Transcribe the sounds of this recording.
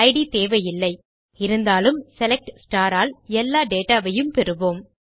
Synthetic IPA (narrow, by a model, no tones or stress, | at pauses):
ɐɪɽit̪eːʋɐjɪlːɐɪ | ɪɾɯnd̪aːlɯmsɛlɛk̚ʈsʈaːɾaːlɛlːaːɖeːʈaːʋɐjɯmpɛɾɯʋoːm